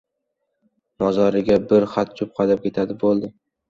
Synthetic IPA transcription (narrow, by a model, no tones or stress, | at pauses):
mɒzɒɾɪɡʲabɪɾχat̪̚t͡ʃʰʊp̚qʰɑd̪ap̚kʲʰe̞t̪ʰad̪ɪbolˠd̪ɪ